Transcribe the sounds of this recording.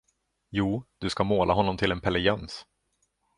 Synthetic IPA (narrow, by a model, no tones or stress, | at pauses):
juːd̪̥ɵskamoːlʔaɦɔnːɔmt̪ʰɪlɛnpʰɛlɛɡɛns